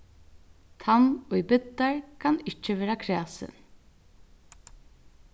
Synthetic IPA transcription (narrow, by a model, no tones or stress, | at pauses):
t̪ʰamɔjbɪt̪ːaɹkʰanɪt͡ʃəʋeːɾakʰɾæːsɪ̰n